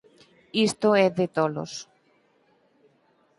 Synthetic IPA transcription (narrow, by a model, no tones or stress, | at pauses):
ist̪oɛðet̪olo̰s